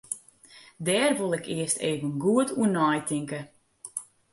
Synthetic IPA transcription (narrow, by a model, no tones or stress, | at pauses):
dɛːrʋolˠɛkiəstḛːvənɡuətʰuənɔːjtɪŋkə